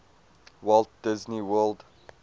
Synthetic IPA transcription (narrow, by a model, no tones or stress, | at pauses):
wɔlt̚d̥ɪzniwɜld